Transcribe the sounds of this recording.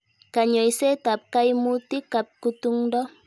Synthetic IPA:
ka˨ɲɔ˨i˨se˦ta˨p̚ka˦imu˦ti˦ka˨p̚ku˦tu˦ŋdɔ˦

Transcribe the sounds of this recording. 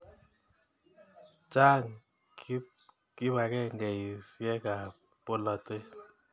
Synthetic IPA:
t͡ʃa˦˨ŋ˦ | ki˦βa˨kɛ˦˨ŋɡe˨jsjɛ˦ka˨ | po˦lɔ˨te˦

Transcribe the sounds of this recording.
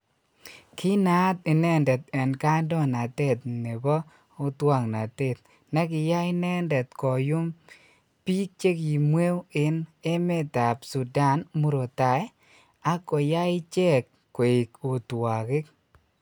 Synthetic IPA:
kɪ˦na˨˦t̪ɪ˨nɛ˦ndɛ˨t̪ɛ˨nka˦ndɔ˦˨na˨t̪e˦˨t̪̚ne˨bɔ˦ | o˦t̪wa˦˨ŋna˨t̪e˦˨t̪̚ | na˦k̬ɪ˨ja˦ɪ˦nɛ˦ndɛ˨t̪̚kɔ˨jʊ˦m | pi˦k̚t͡ʃe˦kji˨mwe˦wɪ˨nɪ˦me˦ta˨psu˨da˦˨nmu˦ɾo˨t̪a˨ɛ˦ | a˦kɔ˨ja˦ɪ˦t͡ʃɛ˦kː | we˨ɪ˨ko˨t̪wa˨kɪ˦k

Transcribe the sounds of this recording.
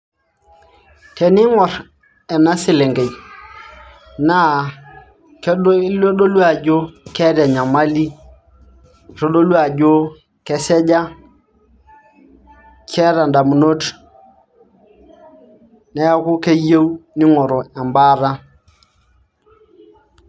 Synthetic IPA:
kɛ˨ni˦ŋɔ˨ɾ | ɛ˨na˦sɪ˦˨le˨ŋɡe˨j | na˦ | kɛ˦lɗo˦lwa˨d͡ʒo˦kɛ˦ɾɛ˨ɲa˨ma˦li˦ | tɔ˦ɗo˦lu˦a˨d͡ʒo˦ | kɛ˦sɛ˦d͡ʒa˦ | kʰɛ˦ɾa˨nda˨mu˨no˦t | nɛ˦ja˦ku˦ke˦je˦wni˦ŋɔ˨ɾo˨ɛ˨mba˦ɾa˦

